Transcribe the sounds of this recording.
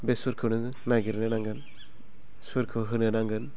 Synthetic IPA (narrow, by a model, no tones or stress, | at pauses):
besuɾkʰɯnɯ | naɡiɾnɛnaŋɡɯn | suɾkʰɯɦɯnɯnaŋɡɯn